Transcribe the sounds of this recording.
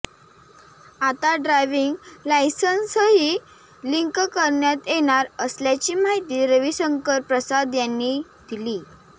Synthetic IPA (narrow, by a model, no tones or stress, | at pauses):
at̪aɖɾajʋiŋɡlajsənsəɦi | liŋkkəɾɳjat̪jeɽ̃aɾəsljat͡ɕiːmaɦit̪iːɾəʋisəŋkəɾpɾəsad̪janːid̪̥iliː